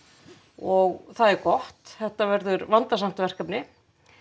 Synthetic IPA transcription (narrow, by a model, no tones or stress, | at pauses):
ɔɣθaðɛɾkɔht̪θɛht̪avɛɾðʏɾvant̪asam̥t̪vɛr̥kapnɪ